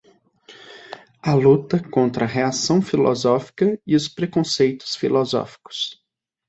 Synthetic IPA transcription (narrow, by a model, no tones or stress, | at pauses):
ɐlut̪ɐkõnt̪ɾɐɦeasɐ̃w̃filɔ̰zɔfi̥kɐɪʊspɾekõsejt̪ʊ̥sfilɔzɔ̰fi̥kʊ̥s